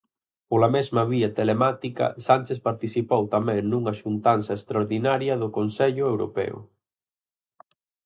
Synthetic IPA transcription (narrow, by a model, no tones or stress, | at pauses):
polɐmezmɐβiɐt̪elemat̪ikɐ̰sant͡ʃespaɾt̪iθipowt̪amɛ̃ŋnuŋɐʃunt̪ansɐest̪ɾaoɾðinaɾjɐðʊkonsɛʎʊewɾo̰pɛ̰ʊ̰